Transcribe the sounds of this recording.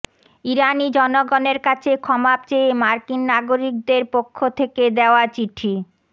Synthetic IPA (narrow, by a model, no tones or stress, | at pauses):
iɾanid͡ʑɔnoɡoneɾkat͡ɕʰekʰɔmap̚t͡ɕeemaɾkinːaɡoɾik̚d̪eɾpokʰːot̪ʰeked̪eoat͡ɕiʈʰi